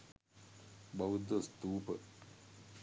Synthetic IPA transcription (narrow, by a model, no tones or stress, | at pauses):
bɐwud̪əst̪uːpə